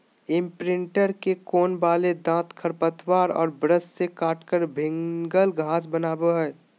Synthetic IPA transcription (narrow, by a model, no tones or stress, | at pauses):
ɪ̃mpɾɪ̃ɳʈəɾkekoːnbaːled̪ãːt̪kʰəɾpət̪waːɾɔ̰ːɾbɾəssekaːʈkəɾbʱɪ̃ŋɡəlɡʱaːsbənaːboɦɛː